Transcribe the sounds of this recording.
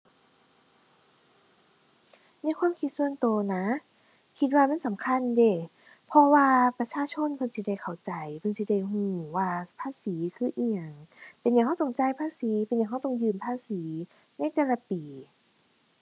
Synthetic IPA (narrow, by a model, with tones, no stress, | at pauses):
na˧˥˨jkʰwa˧˥˨mkʰi˧t̪̚su˧əŋt̪oː˧˩na˧˦˥ | kʰi˧˦t̪̚waː˧ma˧˥˨nsa˨˦mkʰa˧˥˨nde˧˩ | pʰɔ˧waː˧pa˧t͡ɕʰaː˧˨t͡ɕʰo˧˥˨npʰɤ˧˥˨nsi˧˦da˧˩jkʰa˨˩wt͡ɕa˨jpʰɤ˧˨si˧˦da˧˩jhuː˧˩waː˧˩pʰaː˧˥˨siː˨˦kʰɯː˧˥˨ʔiː˧˩ɲa˧˩ŋpe˨nja˨ŋha˧˥˩t̪o˧˩˨ŋt͡ɕa˧˨jpʰaː˧˥˨siː˨˦pe˨nja˨˩ŋha˧˩˨t̪ɔ˧˨ŋjɯː˧˩mpʰaː˧˥˨siː˨˦ | na˧˥˨jt̪ɛː˧˩la˧˦piː˨˦